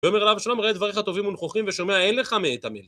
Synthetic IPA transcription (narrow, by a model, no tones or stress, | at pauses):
beomeʁlavʃalamʁoed̪vaʁiχhat̪o̞vimunχoχimveʃo̞meae̞nle̞χameːt̪amel